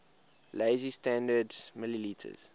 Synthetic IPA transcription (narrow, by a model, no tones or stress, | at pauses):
leɪzistæ̃ndədzmɪliliːtʰə̰z̥